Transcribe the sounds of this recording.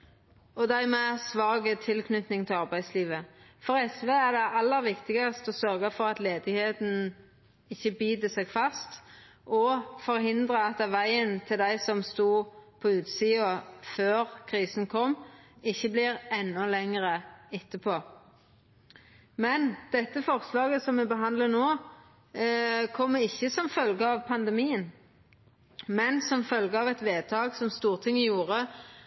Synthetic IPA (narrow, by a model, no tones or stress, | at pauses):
ɔd̪æɪmɛsʋɑːɡət̪ʰɪlkʰnʉt̪nɪŋt̪ʰɪlɑʁbæɪsliːʋəfɔɾɛsʋeːæd̪ɛʔɑlːəɾʋɪkt̪ɪɡɑst̪ɔsœɾɡəfɔʁɑt̪leːd̪ɪɡheːt̪n̩ | ɪçːəbiːd̪əsɛɡfɑst̪ | ʔɔfɔɾhɪnd̪ʁəɑt̪ːʋæɪənt̪ʰɪld̪æɪsɔmst̪uːpʰɔʉːt̪siːʊføːʁkʰʁiːsən̩kʰɔmː | ɪçːəblɪʁɛnːʊlɛŋəʁəɪt̪ːəpʰoː | mɛnd̪̥ɛt̪ːəfɔʁslɑːɡəsɔmʋɛbəɦɑnd̪lənoː | kʰɔmːəɪçːəsɔmfœlɡəɑːʋpʰɑnd̪ɛmiːən | mɛnsɔmfœlɡəɑːʋɛt̪ʋeːd̪̚t̪ʰɑːɡsɔmst̪uːʁt̪ʰɪŋːəjuːʁə